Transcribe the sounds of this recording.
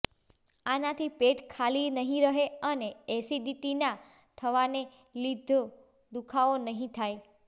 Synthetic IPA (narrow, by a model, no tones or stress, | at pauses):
anat̪ʰipeʈkʰalinəɦĩɾəɦeəneesiɖiʈina | t̪ʰəʋane | lid̪ʱo | d̪ukʰaonəɦĩt̪ʰaj